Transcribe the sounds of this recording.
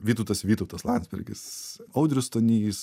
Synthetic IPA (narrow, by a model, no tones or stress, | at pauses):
ʋʲiːt̪ɔʊt̪ɐsʋʲiːt̪ɐʊt̪ɐslˠɑnʲd̪zʲbʲɛ̰ɾʲɡʲɪ̰sɐʊd̪ʲɾʲʊst̪onʲiːs